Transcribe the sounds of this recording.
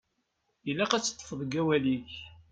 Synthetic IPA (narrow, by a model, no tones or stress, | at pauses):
ilːæqæt͡sːə̥t̪ˤːə̥fəðˤəɡæwæliç